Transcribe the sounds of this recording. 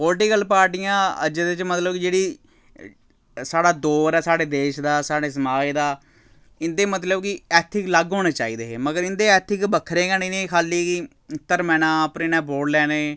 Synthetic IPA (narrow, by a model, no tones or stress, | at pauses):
poːlʈikəlpaːɾʈiːãːə̰d͡ʒd̪ɪt͡ʃmət̪ləbkɪd͡ʒeːɽiː | saːɽaːd̪oːɾɛːsaːɽeːd̪eːʃd̪aːsaːɽeːsəmaːid̪aː | ɪnd̪eːmət̪ləbkɪɛːt̪ʰɪkləɡɦoːneːt͡ʃaːiːd̪eːeːməɡəɾɪnd̪eːɛːt̪ʰɪkbəkʰːɾeːɡaːniːnẽːkʰaːliːkɪ | t̪əɾmɛːnãːpɾɪnɛ̃ːboːɽlɛːneː